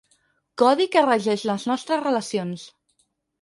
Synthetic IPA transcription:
kɔðikərəʒɛʃləznɔst̪ɾəzrələsions

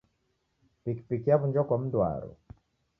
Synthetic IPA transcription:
pikpikijaβuɲd͡ʒɔkɔm̩dwa̰ɾɔ̰

